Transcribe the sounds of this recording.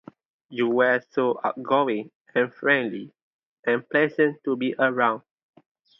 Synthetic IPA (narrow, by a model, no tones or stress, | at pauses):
juwɛsoʔa̰t̚ɡowĩŋ | ɛ̃nfɹɛ̃ndli | ɛ̃nplɛzə̃ntːubiʔəɹãʊ̃n